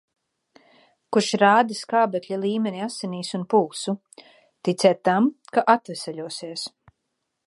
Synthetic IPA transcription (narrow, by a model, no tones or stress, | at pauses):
kuʃɾaːd̪iskaːbɛklʲalˠiːmɛniasːɛniːsunpuːsu | t̪it̪sʲɛːt̪ːamkaʔat̪vɛsɛʎʲuɔsiɛs